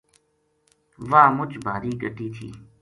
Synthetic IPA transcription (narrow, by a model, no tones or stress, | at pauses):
ʋaːmʊt͡ʃbʱaːɾiːɡʱəʈiːt̪ʰḭː